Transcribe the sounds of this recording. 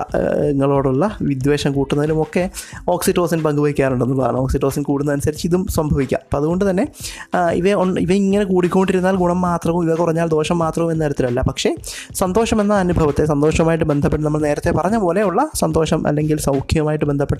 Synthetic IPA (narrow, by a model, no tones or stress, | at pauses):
eŋːɐɭo̞ːɽuɭːɐʋid̪ʋe̞ːɕɐmkuːʈːunːɐðilumo̞kːe̞o̞ːksiʈːo̞ːsinpɐŋɡubɐʋikʲːaːnuɳɖe̞nːupa̰ːɾɐɳɐ̰moːksiʈːosinkuːɽunːɐnusɐɾit͡ɕːɨiðumswɐmbʱɐʋikʲːa̰ːmɐpoːɐðuɣo̞ɳɖɨt̪ɐnːe̞ḭʋɐonḭʋɐiŋːɐnekuːɽikʲːuoɳɖiɾunːaːlɡuɳɐmːaːt̪rɐʋumiʋɐkurɐɲːaːld̪o̞ːʂɐmːaːt̪rɐʋume̞nːeːɾɐt̪ːilɐlːɐpɐkʂe̞sɐnd̪oːʂɐme̞nːɐɐnubʱɐʋɐt̪ːe̞s̬ɐnd̪o̞ːʂɐmaːjiʈːɨbe̞nd̪ʱɐpːeʈːɐnɐmːɐɭne̞ːɾɐt̪ːe̞pɐrɐɲːɐpo̞ːle̞uɭːɐsɐnd̪o̞ːʂɐmʔɐ̰lːe̞ŋɡilsɐwkʰjiɐmaːjiʈːɨbe̞nd̪ʱɐpːeʈː